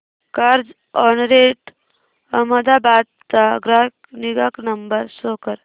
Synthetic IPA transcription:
kɐɾd͡ʒ | ɔːnɾeʈ | ɐməd̪abaːt̪t̪aɡɾakniɡaknɐmbəɾsoːkəɾ

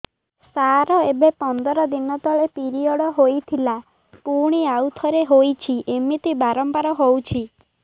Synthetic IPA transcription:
saɾɔebepɔnd̪ɔɾɔd̪inɔt̪ɔɭepiɾiɔɽɔɦojt̪ʰila | puɽ̃iawt̪ʰɔɾeɦojt͡ʃʰiʔemit̪ibaɾɔmpaɾɔɦowt͡ʃʰi

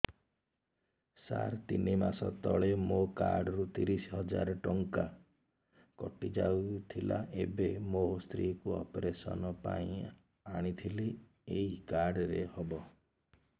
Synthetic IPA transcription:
saɾt̪inimasɔt̪ɔɭemokaɾɖɔɾut̪iɾisɦɔd͡ʒaɾɔʈɔŋka | kɔʈid͡ʒawt̪ʰilaʔebemoɦost̪ɾikuɔ̰pɾesɔnɔpaĩ | aɽ̃it̪ʰili | eikaɾɖɾehɔbɔ

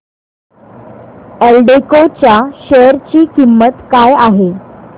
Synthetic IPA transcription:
elɖekot͡ɕjaɕəɾt͡ɕiːkimːət̪kajaɦe

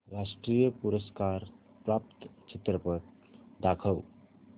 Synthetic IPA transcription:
ɾasʈɾijəpuɾəskaɾ | pɾap̚t̪t͡ʃʰet̪ɾəpəɾ | d̪akʰəw

